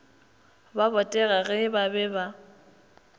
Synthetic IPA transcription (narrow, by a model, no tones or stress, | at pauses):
babɔtʼɛɣaɣɛbabɛba